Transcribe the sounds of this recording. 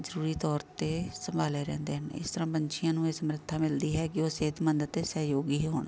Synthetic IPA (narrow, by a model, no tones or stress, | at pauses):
zəɾuːɾiːt̪ɔːɾt̪eːsəmbʱaːleːɾɛ̰̃ːnd̪eːɦən̰ːɪ̰st̪əɾãːbəɲʃɪjãːnũːeːsəmɾət̪ʰːaːmɪld̪iːɦɛːkɪoːseːt̪mənd̪ət̪ːeːsəɦjoːɡiːɦɦoːñː